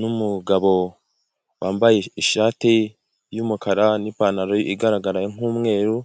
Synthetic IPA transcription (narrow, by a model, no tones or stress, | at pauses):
numuɡaβo̞ | wʔaːmbajeiʃaːti | juːmukaɾanipaːnaɾoʔiɡaɾaɡaɾaŋ̥uːmŋe̞ːɾu